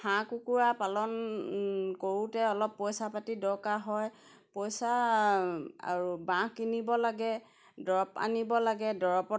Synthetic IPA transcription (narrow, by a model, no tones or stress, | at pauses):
hãkukuɹapalɔn | koɹutɛɔlɔpːɔjsapatidɔkaɦɔj | pɔjsa | a̰ɹubãkinibɔlaɡɛ | dɔɹɔpa̰nibɔlaɡɛdɔɹɔpɔ